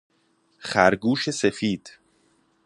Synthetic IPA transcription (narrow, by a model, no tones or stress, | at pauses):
χæɾɡuːʃe̞sefiːd̪̥